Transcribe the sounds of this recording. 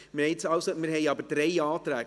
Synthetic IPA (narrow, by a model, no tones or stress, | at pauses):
mɪɾhɛɪtsɑwsomɪɾɦɛɪɑbəɾd̥ɾeɪɑːt̪ɾæːɡ